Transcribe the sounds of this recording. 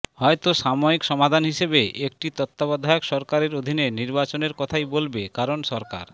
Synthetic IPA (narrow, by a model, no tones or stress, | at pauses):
hɔet̪oʃamoikʃɔmad̪ʱanɦiʃebeʔek̚ʈit̪ɔt̪ːabad̪ʱaeokʃɔɾkaɾeɾod̪ʱineniɾbat͡ɕoneɾkɔt̪ʰajbolbekaɾonʃɔɾka̰ɾ